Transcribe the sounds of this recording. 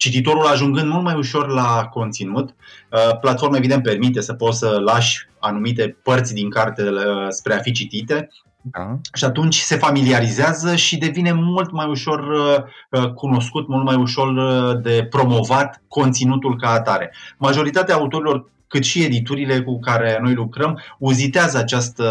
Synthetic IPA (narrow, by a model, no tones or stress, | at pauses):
t͡ʃit̪it̪o̞ɾulaʒuŋɡɨnd̪mult̪majuʃo̞rlako̞nt̪sinut̪əplat̪fo̞rmae̞vid̪ent̪̚pe̞rmit̪e̞səpo̞t̪səlaʃʲanumit̪e̞pərt̪sʲd̪iŋkart̪espɾe̞afit͡ʃit̪it̪e̞ | ʃiat̪unt͡ʃʲse̞familiaɾizeazəʃid̪e̞vine̞mult̪majuʃo̞r | əkuno̞skut̪mult̪majuʃo̞rd̪e̞pɾo̞mo̞vat̪ko̞nt̪sinut̪ulkaːt̪aɾe̞maʒo̞ɾit̪at̪eaːut̪oɾilo̞r | kɨt̪ʃie̞d̪it̪uɾile̞kukaɾe̞no̞jlukɾəmuzit̪eazəat͡ʃast̪